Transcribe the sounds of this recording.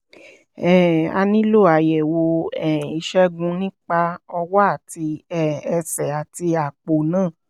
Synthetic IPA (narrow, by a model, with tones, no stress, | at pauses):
ɛ˦˨a̰˧nĩ˦lo˦˨a˨jɛ˨wo˧ɛ˦˨i˧˦ʃɛ˦ɡũ˧nĩ˦k͡pa˧ɔ˧wɔ˦a˦˨ti˧ɛ˦˨ɛ˧sɛ˨a˨ti˧a˨k͡po˨nãː˦˨